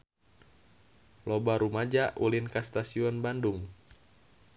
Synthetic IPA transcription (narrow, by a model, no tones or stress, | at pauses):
lɔbaɾumad͡ʒaṵlinkast̪asiɔnbanduŋ